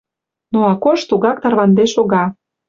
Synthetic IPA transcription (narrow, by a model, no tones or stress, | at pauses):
noɑkoʃt̪uɣɑkt̪ɑrβɑnd̪eʃoɣɑ